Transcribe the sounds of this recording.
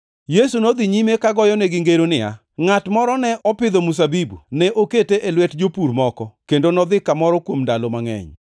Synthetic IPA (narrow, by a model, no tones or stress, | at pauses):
jesunod̪iɲimekaɡɔjɔnɛɡɪŋɡeɾonɪja̰ | ŋatmɔɾɔnɛʔɔpɪd̪omus̬abibṵnɛʔoketeʔelwɛtd͡ʒopuɾmɔkɔkendonɔd̪ɪkamɔɾɔkwomndalomaŋɛ̰ɲ